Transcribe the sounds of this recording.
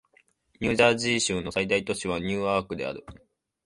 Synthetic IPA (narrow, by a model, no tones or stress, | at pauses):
ɲ̟ʲɨːʑaːʑiːɕɨ̃nːo̞said̪ait̪o̞ɕiβ̞aɲ̟ɨːaːkɯ̟d̪e̞a̰ɾɯ̟